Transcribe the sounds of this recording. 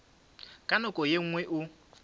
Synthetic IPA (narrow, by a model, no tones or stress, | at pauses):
kʼanʊkʼɔjeŋ̩ŋwɛʔʊ